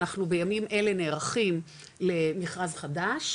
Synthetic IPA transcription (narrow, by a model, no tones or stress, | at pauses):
aχnube̞jamimʔe̞le̞neːʁaχim | le̞miχʁazχadaʃ